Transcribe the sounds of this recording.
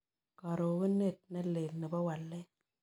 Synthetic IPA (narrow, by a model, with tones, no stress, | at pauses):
kɔ˨ɾo˨kɪ˦ne˦˨t̚nɛ˦le˨lnɛ˨bɔ˦wa˨lːɛ˦